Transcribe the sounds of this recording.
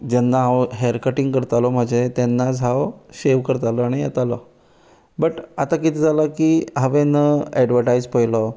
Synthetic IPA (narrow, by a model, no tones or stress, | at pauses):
d͡ʑɛnːaɦawɦɛɾkəʈiŋɡkəɾt̪alɔm̤əd͡ʑʱet̪jɛnːad͡zʱaʋɕeʋkəɾt̪alɔaɽ̃ijɛt̪alɔ | bəʈat̪akit̪ʰid͡zaləkiːɦəʋenəɛɖʋəʈajd͡zpəjlɔ